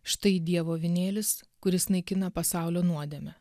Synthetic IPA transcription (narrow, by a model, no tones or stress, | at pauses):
ʃt̪ɐɪd̪ʲiɛʋoːʋʲɪnʲeːlʲɪskʊɾʲɪsnɐɪkʲɪnɐpɐsɑˑʊlʲoːnuɔd̪ʲɛmʲɛ